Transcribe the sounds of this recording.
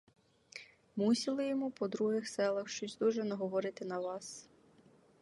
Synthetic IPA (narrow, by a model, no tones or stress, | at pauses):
musʲilˠɪjɔmupɔd̪ɾuɦɪxsɛlˠɐxʃt͡ʃɔsʲd̪uʒɛnɐɦɔʋɔɾɪt̪ɪnɐʋɑs